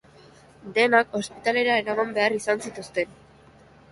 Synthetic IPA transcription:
d̪e̞nako̞spit̪ale̞ɾae̞ɾamambe̞arisansit̪ust̪e̞n

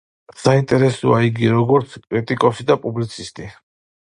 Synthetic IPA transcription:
saint̪ʼɛɾɛsɔ̰aiɡiɾɔɡɔɾt̪sʰkʼɾit̪ʼikʼɔsid̪apʼublit̪sʰist̪ʼi

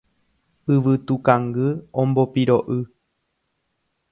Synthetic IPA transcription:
ɨʋɨt̪ukaŋɡɨõmbopiɾoʔɨ

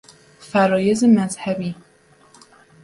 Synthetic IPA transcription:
fæɾɒːjezemæzhæbiː

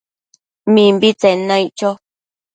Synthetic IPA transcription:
mĩmbit͡senãiʔt͡ʃo

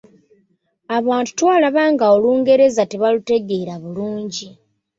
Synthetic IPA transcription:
aβaːntu̥twaːlaβaːŋɡaoluːŋɡe̞ɾe̞zateβalute̞ɡe̞ːɾaβuluːɲɟi

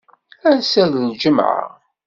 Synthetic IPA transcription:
æɾsælld͡ʒəmʕa̰

